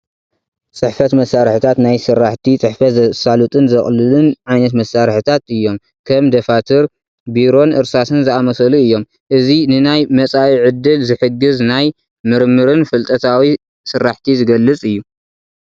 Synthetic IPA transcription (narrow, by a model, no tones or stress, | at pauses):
t͡sʼɨħfɐt̪mɐsːaɾħɨt̪ʰat̪najsɨrːaħt̪ʰit͡sʼɨħfɐsalut̪ʼɨnzɐχʼlɨlɨnʕajnɐt̪̬mɐsːaɾħɨt̪ʰat̪ɨjːo̞m | kʰɐmd̪ɐfat̪ʰɨɾ | biɾo̞nɨɾsasɨnzɨamɐsɐluɨjːo̞m | ʔɨzinɨnajmɐt͡sʼawiʕɨd̪ːɨlzɨħɨɡːɨznaj | mɨɾmɨɾɨnfɨlt̪ʼɐt̪ʰawi | sɨɾːaħt̪ʰizɨɡɐlːɨt͡sʼɨjːu